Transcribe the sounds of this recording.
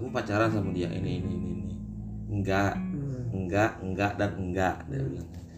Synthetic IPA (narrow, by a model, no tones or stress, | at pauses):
kupat͡ʃaɾas̬amudiaʔḭninininiŋɡaʔŋɡaʔŋɡaʔdanŋɡaʔda̰an